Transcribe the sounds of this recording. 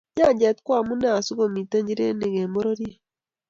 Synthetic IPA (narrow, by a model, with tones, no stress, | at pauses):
ɲa˦˨d͡ʒɛ˨t̪kwa˦˨mu˦na˦a˨su˦ɡo˨mi˨te˦ɲd͡ʒi˦ɾḛ˦ne˨ɡe˨mo˦ɾo˦ɾje˦